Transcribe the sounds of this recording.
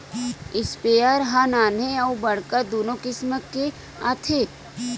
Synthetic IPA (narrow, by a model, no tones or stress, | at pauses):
ɪspeːaɾɦanaːneɐubɐɽkəd̪oːnõkɪsməkːe | a̰t̪ʰe